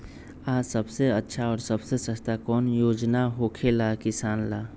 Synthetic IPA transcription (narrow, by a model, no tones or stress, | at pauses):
aːsəbseətːʃʰaɔːɾsəbsesəst̪akɔːnjoːd͡ʒnaɦoːkʰelakɪsaːnlaː